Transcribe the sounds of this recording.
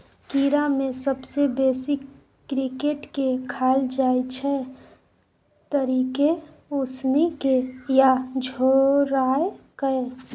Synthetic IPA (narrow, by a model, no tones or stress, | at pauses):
kiɾamẽsəbsebeːsɪkː | ɾikeʈkekʰaːld͡ʒaːjt͡ʃʰɛ | t̪əɾiːke | ʊsnikejad͡ʒʱoɾaːekəe